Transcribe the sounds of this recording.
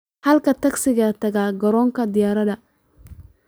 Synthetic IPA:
hɐlkɐt̪ʰɐɡsɪɣɐt̪ʰɐɣaːɡɐɾɔːŋkʰɐd̪ɪjaːɾɐðɐ

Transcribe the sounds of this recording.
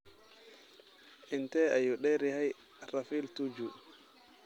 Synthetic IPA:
ʔintɛajuɗɛɾihaj | ɾafiltud͡ʒu

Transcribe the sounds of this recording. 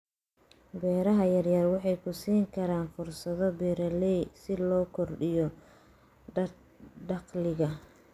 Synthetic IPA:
bɛːɾɐɦɐjɐrjɐrwɑħɑjkʰʊsiːŋkʰɐɾaːnfʊrsɐðɔbɛːɾɐlɛjsɪlɔːkʰɔrɖɪjɔ | ɖɑqlɪɣɐ

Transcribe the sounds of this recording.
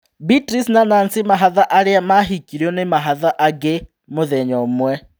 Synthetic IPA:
bitʼrisnanansɪmaɦaðaʔaɺiamaɦikʼiɾjɔnɪmaɦaðaʔaɡe | mʊðɛɲɔːmwɛ

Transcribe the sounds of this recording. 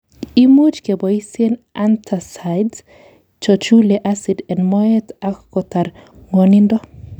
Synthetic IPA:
imut͡ʃkebɔisena̰nt̪ʰasajdz | t͡ʃɔt͡ʃuleʔasid̪enmɔjet̪akkot̪aɾŋwɔnind̪ɔ

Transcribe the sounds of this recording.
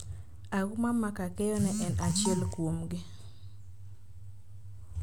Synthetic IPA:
aɡumamakakɛjɔnɛʔɛnat͡ʃɪɛlkwomɡɪ

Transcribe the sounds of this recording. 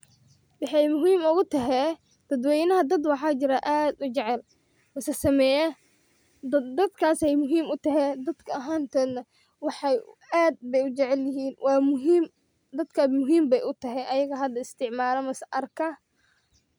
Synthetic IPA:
wɑħɑjmʊɦiːmʊɣʊt̪ʰɐɦɛ | d̪̥ɐd̪wɛjnɐɦɐd̪ɐd̪wɑħɑːt͡ʃɪɾɐʔaːd̪ʊt͡ʃɛʕɛl | mɐsɐsɐmɛːjɐ | dd̪ɐd̪kʰaːsɛjmʊɦiːmʊt̪ʰɐɦɛd̪ɐd̪kʰɐɐɦaːnt̪ʰɛːd̪ɐ | wɑħɑaːd̪̚bɛjʊt͡ʃɛʕɛljɪɦiːnwʔɑːmʊɦiːm | d̪ɐd̪kʰɐmʊɦiːmbɛjʔʊt̪ʰɐɦɛʔɐjɐɣɐɦɐd̪ɐɪst̪ʰɪʕmaːɾɐmɐsɐʔɐrkʰɐ

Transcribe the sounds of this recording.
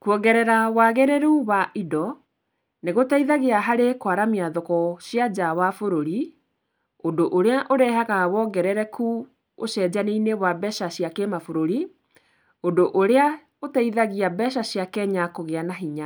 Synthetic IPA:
kuɔɣɛɾɛɾawaɣɛɾɛɾuuwaʔidɔ | neɣotaiðaɣeaɦaɾekwaɾamiaðɔkɔɕjad͡ʑawafoɾoɾi | ondoʔoɾeaʔoɾɛɦaɣawɔɡɛɾɛɾɛkʰu | oɕɛd͡ʑaneinewabɛʃaɕjakemafoɾoɾi | ondoʔoɾea | otaiðaɣiabɛʃ̬aɕjakɛɲakoɣeanaɦiɲa

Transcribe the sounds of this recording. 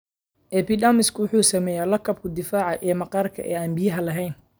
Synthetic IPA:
ʔɛbiːdamɪskʰʊwʊħuːsɐmɛːjaːlɐkʰɐb̚kʰʊd̪ɪfaːʕɑʔɛːmɐqɑːrkʰɐ̰ʔɛːɐmbɪjɐɦɐlɐɦɛjn

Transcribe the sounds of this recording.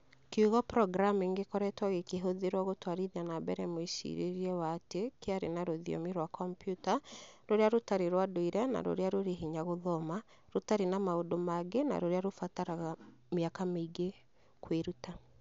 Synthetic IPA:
keuɣɔpɾɔɡɾameːŋɡekɔɾɛtwaɣekeɦoðeɾwɔɣotwaɾiðianabɛɾɛmoisḭɾḛɾiɛwatekeaɾḛnaɾoðijɔ̰miɾwakɔmpjutaɾoɾeaɾotaɾeɾwadoiɾɛna̰ɾo̰ɾeaɾoɾeɦiɲaɣoðɔma | ɾotaɾenamaodomaɡena̰ɾoɾeaɾofataɾaɣa | meakameiɡe | kweɾuta

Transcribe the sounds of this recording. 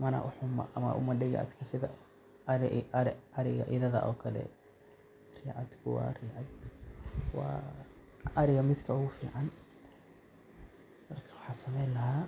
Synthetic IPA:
mɐnɐ̰ʔʊ̰ħʊmɐ̰ʔɐmɐ̰ʔʊ̰mɐɖɪɣɛ̰ʔɐ̰d̪kʰɐsɪðɐ | ɐɾɪɣɐ̰ʔɪðɐðɐ̰ʔɔːkʰɐlɛ̰ | riːʕɑd̪kʰʊwɑ̰rɪːʕɑd̪ | wɑ̰ː | ɐɾɪɣɐmɪd̪kʰɐʊɣʊfiːʕɑn | mɐrkʰɐ̥wɑħɑːsɐmɛjlɐɦaː

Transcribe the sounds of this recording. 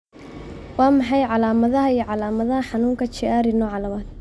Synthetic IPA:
wɑːmɑħɑjʕɑlaːmɐðɐɦɐijɞʕɑlaːmɐðɐɦɐħɑnuːŋkʰɐt͡ʃɪaːɾɪnɔːʕɑlɐmaːd̪̥

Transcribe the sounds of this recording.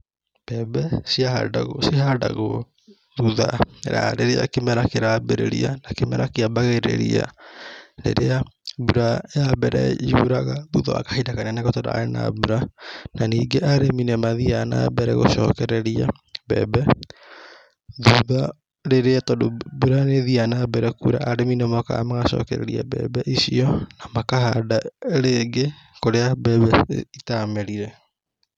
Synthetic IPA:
b̥ɛbɛsiaɦa̰daɣosihadaɣo | ðuðaɾa̰ɾeɾea̰kemɛɾakeɾabeɾeɾḭanakemɛɾakeabaɣeɾḛɾḭa̰ | ɾḛɾeabuɾaeabɛɾɛ̰juɾaɣaðuðaa̰kḁhidakanianakɔtɔɾa̰ena̰buɾananiːɡeʔaɾeminɛmaðiana̰bɛɾɛɣo̰ʃɔ̰ːkɛɾɛɾia̰ | bɛ̰ːbɛ | ðuða | ɾeɾeatɔdobuɾaneðianabɛɾɛkuɾa̰ʔaɾeminɛmɔka̰maɣaʃɔ̰ːkɛɾɛ̰ɾia̰bɛ̰ːbɛʔisiɔnamakaɦadaɾeɡekoɾeabɛbɛitamɛɾiɾɛ

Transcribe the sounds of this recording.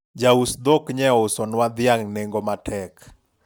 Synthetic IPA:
d͡ʒausd̪okɲɛɔʊsɔnwad̪ɪaŋneŋɡomatʰɛk

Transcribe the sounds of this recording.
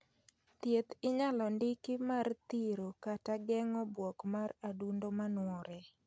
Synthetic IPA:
t̪jet̪ɪɲalɔndɪkimart̪iɾokataɡɛŋɔbwɔkmaradundomanwɔɾɛ

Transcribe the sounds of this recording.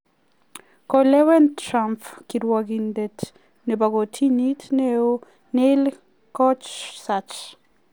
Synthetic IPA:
kolewɛnt̪ɾamfkiɾuaɡind̪et̪ | nebaɡot̪ʰinit̪ʰnew | nel | kot͡ʃsat͡ʃ

